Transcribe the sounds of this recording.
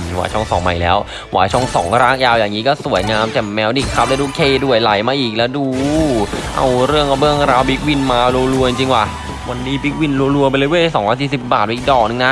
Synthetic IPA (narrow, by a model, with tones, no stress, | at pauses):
wa̰ː˨˦jt͡ɕʰɔ˥˩ŋsɔ̰ː˨˩˦ŋma̰˨˩jlɛː˦˥w | wa̰ː˨˩˦jt͡ɕʰɔ˥˩ŋsɔ̰ː˨˩˦ŋɾaː˥˩ŋjaː˧wjaː˨˩ŋːiː˦˥kɔː˥˩su˨˩˦əjŋaː˧mt͡ɕɛ˧˩mːɛː˧˥wdi˨˩kʰːa˦˥p̚lɛ˦˥duː˧˩kʰeː˧˩du˥˩əjla˨˩˦jmaː˧ʔiː˨˩k̚lɛː˦˥wduː˧ | ʔa̰˧wɾɯ˥˩əŋka˧˩bɯ˥˩əŋɾaː˧wbi˦˥k̚wi˧˩nmaː˧loː˧lu˧ət͡ɕi˧ŋt͡ɕi˧ŋkwaː˨˩ | wa˧nːiː˦˥bi˦˥k̚wi˧˥˩nlu˧lu˧ɐpa˧jlɤː˦˥jboː˥˩˧sɔː˩˦ŋwaː˧˩siː˨˩si˨˩p̚baː˨˩t̪̚ːk̚dɔː˨˧˩k̚nɯ˧˩na˦˥